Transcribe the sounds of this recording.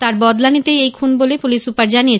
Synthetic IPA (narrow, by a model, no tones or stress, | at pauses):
t̪aɾbɔd̪lanit̪ejejkʰunbolepulisupaɾd͡ʑanije